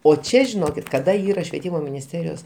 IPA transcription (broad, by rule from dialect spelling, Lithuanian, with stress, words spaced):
oː ˈt͡ʃʲɛ ʒʲɪˈnoːkʲɪt kɐˈdɐ ˈiːrɐ ʃʲʋʲiɛˈtʲiːmoː mʲɪnʲɪsʲˈtʲæːrʲɪjoːs